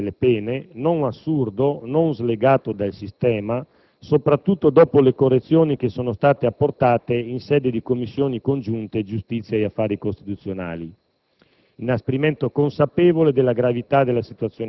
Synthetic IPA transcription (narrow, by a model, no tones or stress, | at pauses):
lepɛːnenonasːurd̪ononzleɡaːt̪od̪alsist̪ɛːma | sopɾat̪ːut̪ːod̪ɔːpolekorːet̪sːjoːnik̟esoːnost̪aːt̪eapːort̪aːt̪einsɛd̪ed̪ikomːisːjoːnikond͡ʒunt̪ed͡ʒust̪it̪sːjaeafːaːɾikost̪it̪ut̪sjona̰ːli | inaspeɾimɛnt̪okonsapevoled̪elːaɡɾavit̪ad̪elasit̪uat̪sjoː